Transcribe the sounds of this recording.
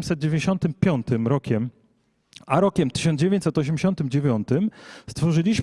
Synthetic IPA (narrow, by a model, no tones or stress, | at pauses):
msɛd̪̚d͡ʑevʲẽɲeɕɔnt̪ɘmpʲjɔnt̪ɘmɾɔkʲɛm | aɾɔkʲɛmt̪ɘ̥ɕ̬ɔnd͡ʑevʲjeɲt͡ɕʲsɛt̪ɔɕ̬ɛmd͡ʑeɕɔnt̪ɘmd͡ʑevʲjɔnt̪ɘmst̪fɔʐɘlʲiɕ